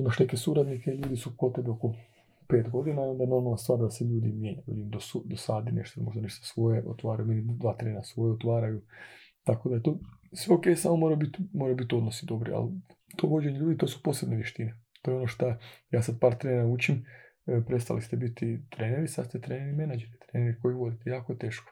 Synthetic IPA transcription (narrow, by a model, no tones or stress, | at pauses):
onaʃnekesuɾad̪nikeʎuːd̪isukot̪e̞beoko̞ | pe̞ːt̪ɡo̞d̪inaond̪anonolast̪ʋaːɾd̪aseʎuːd̪imjeɲajuʋḭd̪imd̪osud̪osad̪ineʃt̪onmo̞ʒd̪aniʃt̪ḁsʋo̞jeʔo̰t̪ʋaːɾajume̞nid̪ʋaːt̪ɾeːnasʋojeot̪ʋaːɾajut̪ako̞d̪ajet̪oːsʋeo̞kejsaːmo̞moɾajubit̪moɾajubit̪o̞d̪no̞sid̪o̞bɾḭa̰lt̪ʰo̞ʋo̞d͡ʑe̞ɲeʎuːd̪it̪osu̥po̞sebneʋjeʃt̪inet̪o̞ːjeo̞noʃt̪ajaːsad̪̚paːɾt̪ɾeːnaut͡ɕim | pɾet̪st̪a̰list̪ebit̪it̪ɾeːneɾisa̰st̪et̪ɾeːneɾime̞nad͡ʒeɾit̪ɾeːneɾiko̞jiʋo̞d̪it̪ejaːkojet̪e̞ːʃko̥